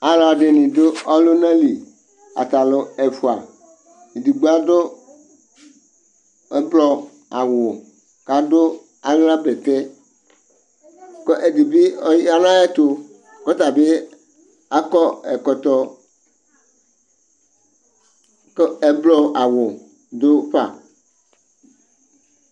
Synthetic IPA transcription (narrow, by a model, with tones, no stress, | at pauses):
a˨˦la˨ɖe˨nĩ˨do˦ɔ˦lo˦nã˦li˨ | a̰˨t̪a˨lo˨e˨fu˨a˨ | i˨di˨ɡ͡bo˦a˦do˦ | e˦blɔ˦ | a̰˨wʊ˨ | ka˨do˦ | a˦ŋ˦ã˦be˨t̪ɛ˦ | kɔ˦ʔe˨di˨bi˦ɔ˦a˦nã˦ɛ˦t̪o˦ | kɔ˦t̪a˨be˦ | a˦kɔ˦ɛ˨kɔ˨t̪ɔ˨ | ke˦blɔ˦a˨wʊ˨ | d̪o˦ɸa̰˨